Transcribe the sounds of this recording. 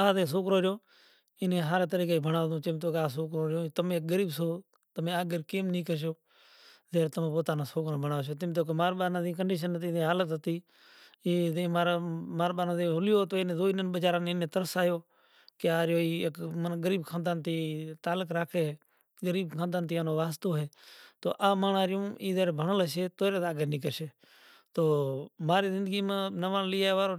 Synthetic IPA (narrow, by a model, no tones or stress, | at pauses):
aːd̪ẽːs̬oːkɾoːd͡ʒoː | ɪnẽːɦaːɾeːt̪əɾiːkeːbʱəɳaːd̪õːt͡ʃɪmt̪oːkaːs̬oːkɾoːɾõːt̪əmẽːk̚ɡəɾiːbsoː | t̪əmẽːaːɡəɾkeːmnĩːkəɾʃ̬oː | zeːɾt̪əmẽːpoːt̪aːnãːsoːkɾõːbəɳaːʋoːʃ̬oːt̪ɪmt̪oːk̬ːmaːɾɓaːnãːzĩːk̬əɳɖiːʃ̬ənət̪iːd̪ẽːɦaːlət̪ɦət̪iː | iːd̪ẽːmaːɾmaːɾɓaːnãːd̪ẽːɦʊlɪjoːt̪oːnẽːd̪oːinənɓəd͡ʒaːɾãːneneːt̪əɾəsaːjoː | keaːɾjoːiːkmənɡəɾiːbkʰãːnd̪aːnt̪iːt̪aːləkɾaːkʰeːɦeː | ɡəɾiːbkʰãːnd̪aːnt̪iaːnoːʋaːst̪oːɦeːt̪o̰ːʔaːmaːnaːɾɪjũːʔiːzeːɾebʱəɳələseːt̪oːɾeːt̪aːɡeːniːk̬əɾʃeː | t̪oːmaːɾiːzɪ̃nd̪əɡiːmãːnəʋãːnliaːʋaːɾoː